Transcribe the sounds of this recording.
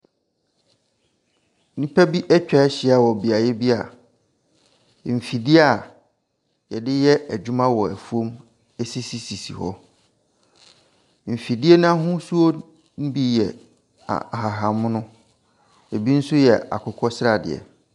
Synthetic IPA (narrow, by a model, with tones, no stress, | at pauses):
nĩ˦pʰæ˦bi˦ʔɛ˦t͡ɕᶣɛ˦ɕɪ˨a˨wɔ˨bi˨a˨jɛ˦bi˦a̰˨ | m̩˨fi˨dɪ˦a˨ | jɛ˨dɪ˦jɛ˦æ˨d͡ʑᶣu˦mã˦wɔ˨æ̰˨fu˦õ˦m | e˦si˦si˨si˨sḭ˨hɔ˦ | m̩˨fi˨dɪ˦ɛ˦nʊ̃˦a˦ɦʊ̃˦su˦o˦ | n̩˦bi˦jɛ˨ | a̰˨ɦa˨ɦã˨m˦nʊ̃˦ | e˨bi˦n̩˦sʊ˦jɛ˨a̰˨kʰʊ˦kʰɔ˦sɾa˨dɪ̰˨ɛ̰˨